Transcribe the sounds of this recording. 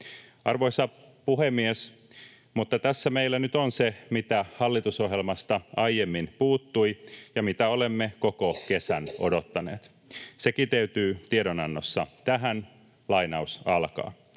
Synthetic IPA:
ɑrʋo̞jsɑ | puhemːies | mut̪ːɑt̪æsːæmeilːænyt̪onsemit̪æhɑlːit̪uso̞ɦjelmɑst̪ɑɑjjemːinpuːt̪ːuijɑmit̪æolemːeko̞koke̞sæno̞̰do̞t̪ːɑnḛːt̪ | sekit̪eyt̪yːt̪iedonɑnːosːɑt̪æɦæn | lɑinɑusɑlkɑ̰ː

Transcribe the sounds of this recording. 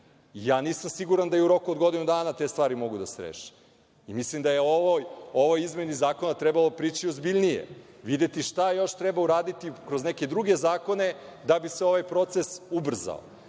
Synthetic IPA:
ijaːniːsamsiɡuɾand̪ajeuɾo̞kuod̪ɡo̞d̪inud̪aːnat̪e̞ːst̪ʋaːɾimo̞ɡud̪aseɾḛːʃi̥ | imislimd̪ajeoʋojo̞ʋojizme̞nizaːko̞nat̪ɾebalˠo̞pɾiːt͡ʃiozbiʎnijḛʋid̪et̪iʃt̪ajo̞ʃt̪ɾebauɾaːd̪it̪ikɾo̞zneke̞d̪ɾuɡe̞zaːko̞ne̞d̪abiseo̞ʋajpɾo̞t̪se̞subr̩za̰o̰

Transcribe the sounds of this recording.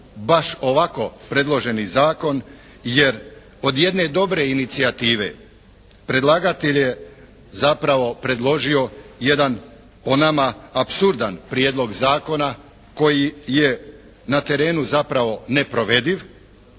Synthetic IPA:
baʃo̞ʋako̞pɾe̞d̪lo̞ʒe̞nizaːko̞n | je̞ɾ | o̞d̪je̞d̪ne̞d̪o̞bɾe̞init̪siat̪iːʋe̞̰ | pɾe̞d̪lˠaɡat̪eʎje | zapɾaʋo̞pɾe̞d̪lˠo̞ʒio̞je̞d̪an | o̞namaapsuɾd̪anpɾjeːd̪lˠo̞ɡzaːko̞na | ko̞jije | nat̪e̞ɾe̞ːnuzapɾaʋo̞ne̞pɾo̞ʋe̞d̪iʋ

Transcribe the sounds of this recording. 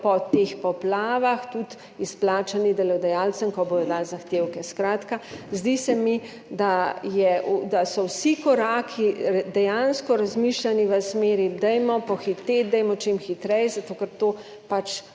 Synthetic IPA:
pɔt̪expɔplaːʋaxt̪ut̪ | isplaːt͡ʃanid̪ɛlɔd̪ɛjaːlsəmkɔboːjɔd̪aːlzaxt̪eːwkɛskɾaːt̪kazd̪isɛmi | d̪ajɛud̪asɔwsikɔɾaːkʰid̪ɛjanskɔɾazmiʃlaniʋəsmeːɾid̪ɛjmɔpɔxit̪ed̪ɛjmɔt͡ʃemxit̪ɾɛjzat̪oːkəɾt̪oː | pat͡ʃ

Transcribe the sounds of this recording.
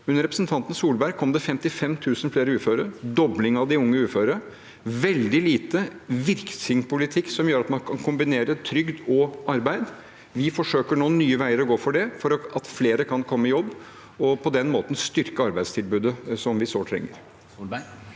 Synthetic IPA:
ʉnːəɾɛpɾəsnt̪ʰɑnt̪n̩suːlbæɾɡ̚kʰɔmd̪ɛfɛmt̪ɪfɛmːt̪ʰʉːsən̩fleːɾəʉːføːɾəd̪ɔblɪŋɑʋd̪ɪʊŋːəʉːføːɾəə | ʋɛld̪ɪliːt̪əʋɪɾksɪŋpʊlɪt̪ʰɪkːsɔmjøːɾɑt̪mɑnkʰɑnkʰʊmbɪneːɾət̪ʰɾʏɡd̪ɔɑɾbæɪd̪ | ʋɪfɔʂøːkəɳoːnyːəʋæɪəɾɔɡoːfɔɖɛfɔɾɔɑt̪fleːɾəkʰɑnkʰɔmːəɪjɔbː | ɔpʰɔd̪ɛnmoːt̪ən̩st̪ʏɾkəɑɾbæɪd̪st̪ʰɪlbʉːd̪əsɔmʋɪsoːt̪ʰɾɛ̰ŋːə̰ɾ

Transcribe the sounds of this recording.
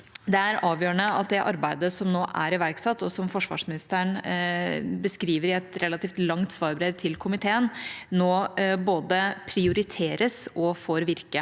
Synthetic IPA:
d̪ɛæɾɑːʋjøːɾəɳəɑ̰t̪̚d̪ɛʔɑɾbæɪd̪əsɔmnoːʔæ̰ɾɪʋæɾksɑt̪ːɔsɔmfɔʂʋɑ̰ːʂmɪnɪst̪əɳ | bəskɾiːʋəɾɪɛt̪ɾɛlːɑt̪iːft̪lɑŋt̪sʋɑːɾbɾeːʋt̪ʰɪlkʰʊmɪt̪ʰeːənnoːboːd̪əpʰɾɪʊɾɪt̪ʰeːɾəsɔfɔɾʋɪɾkə

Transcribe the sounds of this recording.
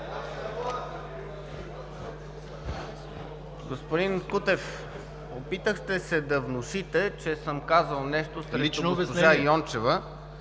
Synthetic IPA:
ɡospʊd̪inkut̪ɛf | opit̪əxt̪ɛsɛd̪ɐvnʊʃit̪ɛt͡ʃɛsəmkazəlˠnɛʃt̪osɾɛionobɛsonʒajɔnt͡ʃɛvə

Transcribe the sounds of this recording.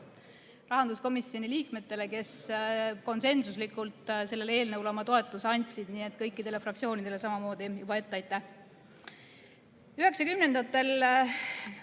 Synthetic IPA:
rɑɦɑnd̪usko̞misio̞nʲiliːkme̞t̪ːe̞le̞ke̞sko̞nse̞nsuslikˑult̪ˑse̞lːe̞le̞ːlnɤwlɑmɑt̪o̞et̪ːˑusɑnʲt̪ʲsid̪̥niːe̞t̪ːˑkɤjkːˑid̪̥e̞le̞frɑkt̪sio̞ːnid̪̥e̞le̞sɑmɑmo̞ːd̪ijub̥ɑe̞t̪ːɑjt̪ːˑæh | yɦe̞ksɑkymne̞nd̪̥ɑt̪ːˑe̞l

